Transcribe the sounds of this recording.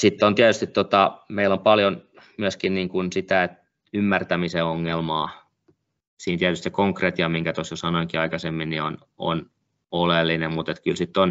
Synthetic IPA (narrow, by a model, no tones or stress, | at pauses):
sit̪ːont̪iæt̪yst̪it̪t̪ot̪ɑmeilompɑljon | myøskinniːŋkunsit̪æet̪ | ymːært̪æmiseoŋːelmɑː | siːnt̪iæt̪yst̪sikoŋkret̪jɑmiŋkæt̪osjosɑnoikiɑikɑsemːinnion | o̰n | olelːinemmut̪et̪kylsit̪ːon